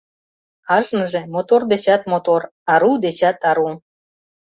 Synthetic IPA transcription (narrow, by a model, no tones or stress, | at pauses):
ɑʒnəʒemot̪ord̪et͡ɕɑt̪̚mot̪orɑɾud̪et͡ɕɑt̪ɑɾu